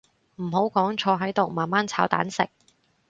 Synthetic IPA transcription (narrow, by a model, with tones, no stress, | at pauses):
m̩˨˩ɦo˨˥wkɔː˨˥ŋt͡ʃʰɔː˧ɦɐ˨˥jt̪o˨wmaː˨nmaː˥nt͡sʰaː˨˥wt̪a̰ː˨˥nsɪ̰˨k̚